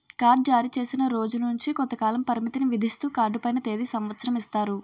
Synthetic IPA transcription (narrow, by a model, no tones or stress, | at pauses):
kaːɾɖ̚d͡ʒaːɾit͡ʃe̞ːsinɐɾo̞ːd͡ʒunuɲt͡ʃikɔnt̪ːɐkaːlɐmpɐɾimit̪iniʋid̪ʱist̪uːkaːɾɖupɐjnɐt̪e̞ːd̪isɐmʋɐt̪sɐɾɐmist̪aːɾu